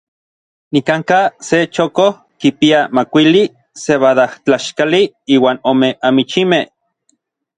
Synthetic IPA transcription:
nikaŋkaset͡ʃokoh | kipiamakʷili | seβaðaht͡ɬaʃkaliiːwaːnomeamit͡ʃimeh

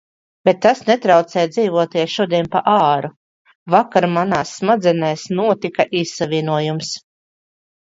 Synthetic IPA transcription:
b̥et̪ːasnet̪ɾawt̪sɛːjd̪ziːvuɔt̪iɛʃuɔd̪iɛnpaʔaːɾu | vakaɾmanaːsːmad̪zɛnɛjsnuɔt̪ikaʔissavʲinuɔjums

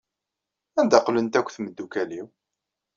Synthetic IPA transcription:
ænd̪æqːlənt̪ækʷːθməd̪ːukæliw

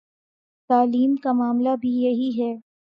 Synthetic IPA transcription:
t̪aːliːmkamaːmlabʱijɐɦiɦɛː

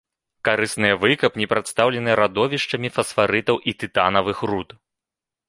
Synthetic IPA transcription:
kaɾɨsnɨjɐvɨkɐpnʲɛpɾat̪st̪awlʲɛnɨjɛɾad̪ɔvʲiʂt͡ʂɐmʲifɐsfaɾɨt̪ɐwʔit̪ɨt̪anɐvɨxrut̪

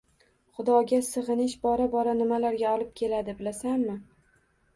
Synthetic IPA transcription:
χʊd̪ɒɡʲasɨʁɨnɪʃbɒɾabɒɾanɪmalaɾɡʲaɒlˠɪp̚kʲʰe̞lad̪ɪbɪlasanmɪ

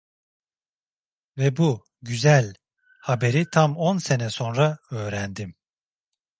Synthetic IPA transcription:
vɛbu | ɟyzælʲ | habe̞ɾit̪ʰamo̞nse̞nɛso̞nɾaø̞ːɾænd̪im

